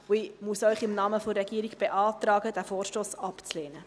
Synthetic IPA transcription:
ʊimusœʏχɪmnɑːməforːɛɡiːəɾiɡb̥eʔɑːtrɑːɡəd̥æːfoːrʃtoːsɑpt͡sleːnə

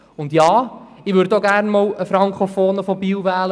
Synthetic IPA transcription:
ʊndjɑːɪʋʏɾdoɡæɾnmɔwəfɾɑŋkʰofoːnəfɔbiːwvæːlə

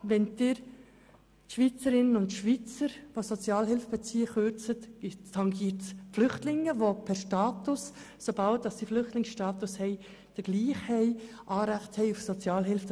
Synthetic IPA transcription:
ʋɛnd̥̪ɪːɾ | ʃʋit͡səɾɪnənʊntʃʋit͡səɾʋosot͡sjɑːlɦɪlfəb̥ɛt͡siːəχøɾt͡sətɪtʰɑŋɡiːtflʏχtlɪŋːəʋopʰɛɾʃtɑːt̪ʊs | sobɑlt̚dɑsːiflʏχtlɪŋsʃtɑːt̪ʊshɛɪ | d̥əɡ̥liːχhɛɪ | ʔɑːɾæχthɛɪufsot͡sjɑːlɦɪlfə

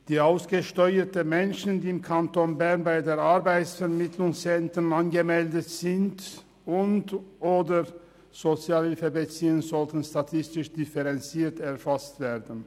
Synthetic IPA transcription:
d̥iːaʊsɡ̥əʃtɔʏətəmɛnʃn̩diːɪmkʰantonbɛʁnbaɪdeːɐaɐbaɪtsfɛɐmɪtʰlʊŋsɛntʁənanɡəmɛldətz̥ɪnt | ʔʊntʔoːdə | z̥ot͡sjaːlhɪlfəbət͡siːuŋnzɔltn̩statʰɪstɪʃd̥ɪfɛʁɛnt͡siːɐtɛɐʁfastv̥eːɐdn̩

